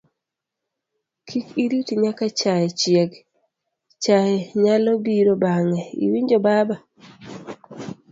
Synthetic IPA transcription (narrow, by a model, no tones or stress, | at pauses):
kʰikiɾitiɲakat͡ʃajɛt͡ʃɪɛɡ | t͡ʃajɛɲalɔbiɾobaŋɛḭwiɲd͡ʒobaba